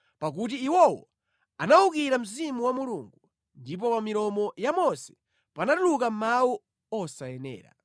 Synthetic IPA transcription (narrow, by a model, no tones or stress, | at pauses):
pak̬ut̬iːwɔwɔ̰ | anaukiɾam̩zimuwamuluŋɡu | ndip̬ɔpamiɾɔmɔjamɔsɛ̥ | panatuluk̬am̩mawu | ɔsajɛnɛ̰ːɾa̰